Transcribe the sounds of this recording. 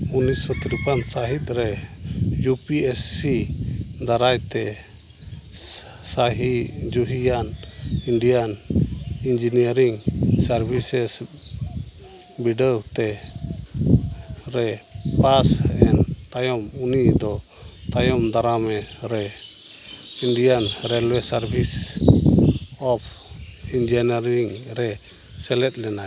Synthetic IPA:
unisɔt̪iɾipansaɦit̪̚ˀɾɛ | jupiɛsid̪aɾajt̪ɛ | saɦid͡ʒuɦijan | inɖijan | ind͡ʒinijaɾiŋsaɾbʱisɛs | biɖəwt̪ɛ | ɾɛpasɛ̰nt̪ajɔmunid̪ɔ | t̪ajɔmd̪aɾamɛɾɛ | inɖijanɾɛlwɛsaɾbʱis | ɔpʰ | ind͡ʒianaɾiŋɾɛ | sɛlɛt̪̚ˀlɛnaj

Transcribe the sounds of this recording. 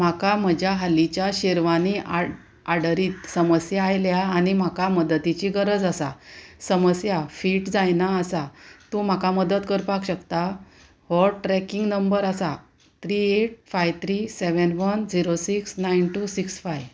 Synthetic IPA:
m̤akam̤əd͡ʑʱjaɦalit͡ɕjaɕeɾʋania | aɽəɾiːt̪səməsjaːjljaːnim̤akaməd̪ət̪it͡ɕiɡəɾəd͡zasasəməsjafiːʈd͡zajnaːsat̪um̤akaməd̪ət̪kəɾpakɕəkt̪a | hɔɾʈɾɛkĩŋɡnəmbəɾasa | t̪ʰɾieʈ̚fajt̪ʰɾiːseʋənʋənd͡ziɾosiksnajnʈusiksfajʋ

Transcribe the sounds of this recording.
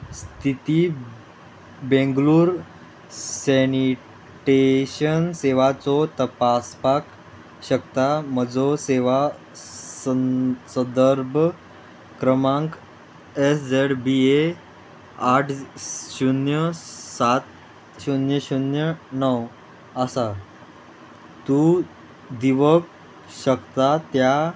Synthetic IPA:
st̪ʰit̪i | bẽŋɡluːɾ | seni | ʈeɕənseʋat͡sɔt̪əpaspak | ɕəkt̪aməd͡zoseʋa | səsə̃d̪əɾbʱ | kɾəmãŋk | esd͡zeɽbie | aʈʰɕunjəsat̪ | ɕunjəɕunjənəw | əsa | t̪u | d̪iʋək̚ | ɕəkt̪at̪ja

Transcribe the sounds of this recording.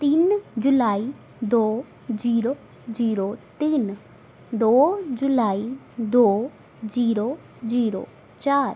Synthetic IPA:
t̪ind͡ʒʊlaːi | d̪oː | d͡ʒiːɾoː | d͡ʒiːɾoːt̪in | d̪oːd͡ʒʊlaːi | d̪oː | d͡ʒiːɾoː | d͡ʒiːɾo̰ː | t͡ʃaːɾ

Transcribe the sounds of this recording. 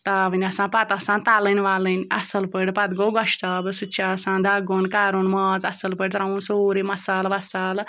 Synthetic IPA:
t̪aːbɨnʲɐsãːpɐt̪ɐsãːnt̪aːlɨnʲʋaːlɨnʲɐsɐlpəɽʲpɐt̪ɡoɡɔʃt̪abɨsut͡ʃʰaːsãːnd̪aːɡonkaːɾunmɐt͡sɐsɐlpəɽʲt̪ɾãũnsoːɾimɐsaːlʋɐsaːl

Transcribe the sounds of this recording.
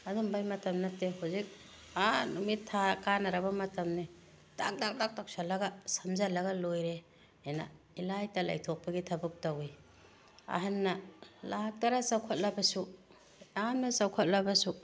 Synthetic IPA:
ɐdumbajmɐtɐmnɐtːehawzik̚ | anumitʰːakanaɾabɐmɐtɐmni | tak̚tak̚tak̚tak̚salɐɡasɐmzalɐɡalojɾe | ena̰ | ilajtala̰jtʰɔk̚pɐɡitʰɐbuk̚tawi | a̰ɦanːɐlak̚taɾasawkʰat̚labɐsu | anːɐsawkʰat̚labɐsu

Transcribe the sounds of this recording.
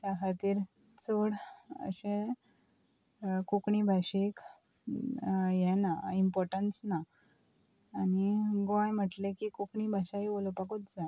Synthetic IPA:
t̪jakʰat̪iːɾ | t͡soɽə̰ɕẽ | kukɳibʱaɕek | jɛnaimpɔɾʈənsna | niɡɔ̃jm̤əʈlekikukɳibʱaɕaɦiolopakot̪d͡za

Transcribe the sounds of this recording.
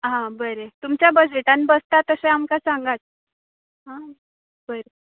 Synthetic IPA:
ɦãbəɾet̪umt͡ɕjabəd͡ʑeʈanbəst̪at̪əseamkasãŋɡat̪̚ | ɦã | bəɾe

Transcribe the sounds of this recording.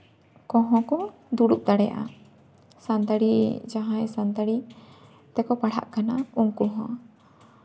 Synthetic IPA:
kɔ̃ɦɔ̃kɔ | d̪uɽuk̚ˀd̪aɽɛja̰ʔa̰ | sand̪aɽid͡ʒaɦãjɛsand̪aɽi | t̪ɛkɔpaɽ̤a̰ʔkanauŋkuɦɔ̰̃

